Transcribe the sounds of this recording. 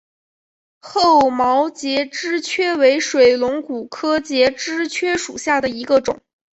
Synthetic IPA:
xo˥˩ʊmɑ˧˥ʊt͡ɕjɛ˧˥ʈ͡ʂɻ̩˥t͡ɕʰɥɛ˥we˧˥ɪʂwe˨˩ɪlʊ˧˥ŋku˨˩kʰɤ˥t͡ɕjɛ˧˥ʈ͡ʂɻ̩˥t͡ɕʰɥɛ˥ʂu˨˩ɕja˥˩d̪ə˩i˧˥ɡə˧ʈ͡ʂʊ̰˨˩˦ŋ

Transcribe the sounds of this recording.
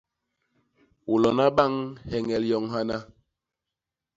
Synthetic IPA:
wu˨lɔ˨na˦ɓa˦˨ŋhɛ˨ŋɛ˨ljɔ˨ŋɦa˦na˦

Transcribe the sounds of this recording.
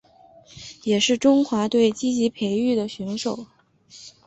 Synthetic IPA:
jɛ˨˩ʂɻ̩˥˩ʈ͡ʂʊ˥ŋxwa˧˥t̪we˥˩ɪt͡ɕi˥t͡ɕi˧˥pʰe˧˥ɪy˥˩d̪ə˩ɕɥɛ˧˥nʂo˨˩˦ʊ

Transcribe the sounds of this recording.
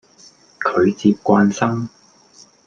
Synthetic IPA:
kʰɵ˨˧ɥt͡siː˧p̚kʷaː˧nsɐ˥m

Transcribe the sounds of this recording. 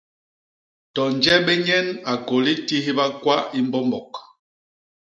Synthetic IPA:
tɔ˨nd͡ʒɛ˦bɛ˦ɲɛ˦na˨ko˨li˦ti˦ɦi˦ba˦kwa˦i˦mbɔ˦mbɔ˨k

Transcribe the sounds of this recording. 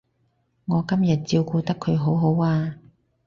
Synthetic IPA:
ŋɔː˨˧kɐ˥mjɐ˨t̚t͡siː˧wkuː˧t̪ɐ˥kʰːɵ˨˧ɥɦo˨˥wɦo˨˥waː˧

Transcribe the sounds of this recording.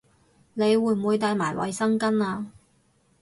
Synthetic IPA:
ne˨˧jwuː˨jm̩˨wuː˨˧jt̪aː˧jmaː˨˩jwɐ̰˨˧jsɐ˥ŋkɐ˥naː˧

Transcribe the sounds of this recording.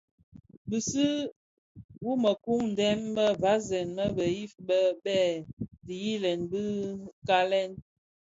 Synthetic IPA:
bi˨si˦ | wu˦mə˨ku˦ŋn̩˨dɛ˦mbə˦va˨˦zɛ˨nmə˦bə˨ji˦fbə˦bɛ˦˨di˨ji˦lɛ˨nbi˦ka˦lɛ˦n

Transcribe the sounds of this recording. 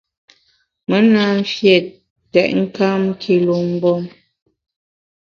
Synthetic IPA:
mə˦na˦fjɛ˨ | tɛ˨ʔ̚ŋ̩˦ka˦m˦kʰi˨lo˨m̩˦bɔ˦m

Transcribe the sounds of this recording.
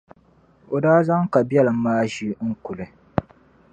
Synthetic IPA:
o˨daː˦za˦ŋka˨bɛ˦lɨ˨m̩˦maː˦ʒi˦ŋ̩˦ku˨lɨ˨

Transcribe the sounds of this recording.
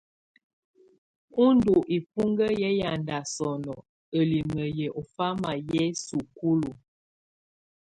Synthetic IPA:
u˦ndu˨ʔi˨pu˦ŋɡə˦jɛ˦ja˨nda˨sɔ˨nɔ˨ | ə˨li˨mə˨jɛ˨ʔɔ˨fa˦ma˨jɛ˦su˨ku˦lu˨

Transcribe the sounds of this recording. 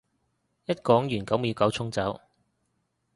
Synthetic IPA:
jɐ˥t̚kɔː˨˥ŋjyː˨˩nkɐ˨˥wmiː˨˧kɐ˨˥wt͡sʰʊ˥ŋt͡sɐ˨˥w

